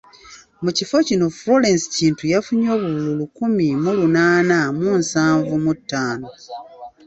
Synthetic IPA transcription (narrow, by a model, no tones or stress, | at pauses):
mucifo̞cino̞flo̞ɾe̞nsi̥ciːntujafuɲo̞ːβuβululukumimulunaːnamunsaːɱvumutːaːno̞